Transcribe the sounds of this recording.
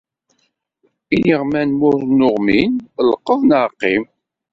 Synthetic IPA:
iniʁmænmʊɾˤnːʊʁminləqːəðnəɾqːim

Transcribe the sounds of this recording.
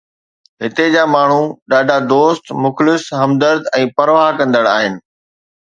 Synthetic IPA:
ɦɪt̪ed͡ʑaːmaːɳ̤uɗaːɖʱad̪oːst̪mʊxlɪsɦɐmd̪əɾd̪ɛ̃ːpɐɾʋaːɦkɐ̃nd̪əɽaːɦɪnɪ̆

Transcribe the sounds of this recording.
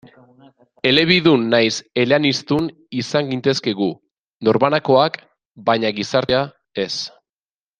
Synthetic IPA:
e̞le̞β̞iðunːajse̞leanist̪un | isaŋɡint̪e̞ske̞ɣu | no̞ɾβanako̞ak | bajɲaɣisaɾt̪ea | e̞s

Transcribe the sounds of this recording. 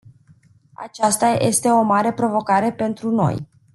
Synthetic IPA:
a̰t͡ʃast̪aje̞̰st̪e̞o̞maɾe̞pɾo̞vo̞kaɾe̞pe̞nt̪ɾuno̞̰j

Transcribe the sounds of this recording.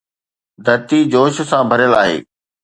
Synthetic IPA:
d̪ʱɐɾt̪id͡ʑoːʃ̆sãbʱɐɾjəlaːɦḛː

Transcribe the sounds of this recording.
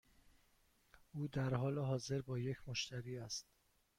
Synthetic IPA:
ʔuːd̪æɾɦɒːleɦɒːze̞ɾbɒːje̞cʰmoʃt̪ʰæɾiːæst̪̚

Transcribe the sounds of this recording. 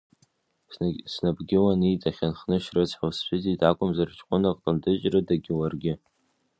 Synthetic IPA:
snabɡʲɪwanitʼaχʲanχnɨʃrɨt͡sʰʼħast͡ʃʷᶣɪzitʼakʷʼʊmzart͡ʃʰʼqʷʼʊnakʼlɨndɨt͡ʃʼrɨdaɡʲɪwarɡʲɪ

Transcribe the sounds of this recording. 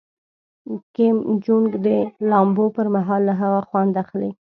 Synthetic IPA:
kɪmd͡ʒuŋɡd̪əlɑmbopəɾmaɦɑlːaɦaɣaxwand̪axle

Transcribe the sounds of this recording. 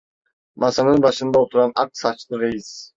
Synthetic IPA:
mɑsɑnɯnbɑʃɯnd̪ɑot̪ʰuɾɑnɑk̪̚sɑt͡ʃlˠɯɾejis

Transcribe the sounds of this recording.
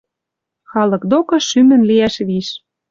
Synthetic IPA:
xɑlɤ̆kd̪okɤ̆ʃymɘ̆nliæʃβiʃ

